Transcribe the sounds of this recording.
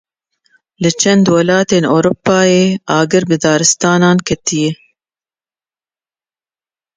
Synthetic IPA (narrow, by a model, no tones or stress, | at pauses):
lɨt͡ʃʰɛnd̪wɐlɑːt̪eːnoːɾupːɑːjeːɑːɡɨɾbɨd̪ɑːɾɨst̪ɑːnɑːnkʰɛt̪ijɛ